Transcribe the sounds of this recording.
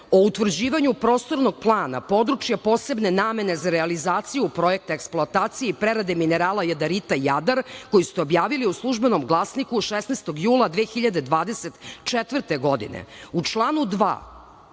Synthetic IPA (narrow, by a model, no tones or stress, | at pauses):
o̞ut̪ʋr̩d͡ʑiːʋaɲupɾo̞ːst̪o̞ɾnoɡ̚plˠaːna̰po̞d̪ɾut͡ʃjapo̞ːse̞bne̞naːme̞ne̞zaɾealizaːt̪sijupɾojek̚t̪aeksploat̪aːt̪sijeipɾeɾad̪emine̞ɾaːlˠajad̪aɾit̪ajad̪aɾko̞jisu̥st̪eo̞bjaːʋiliuslˠuʒbeno̞mɡlˠasnikuʃesnest̪o̞ɡjuːlˠad̪ʋeːxiʎad̪e̞d̪ʋaːd̪e̞set̪t͡ʃet̪vrɾt̪e̞ɡo̞d̪ḭnḛut͡ʃlˠaːnud̪ʋa̰ː